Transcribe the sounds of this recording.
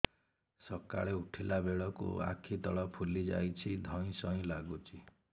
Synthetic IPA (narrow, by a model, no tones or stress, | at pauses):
sɔka̰ɭeuʈʰilabeɭɔkṵa̰kʰit̪ɔɭɔpʰulid͡ʒa̰jt͡ʃʰid̪ʱɔ̃ĩsɔĩlaɡut͡ʃʰi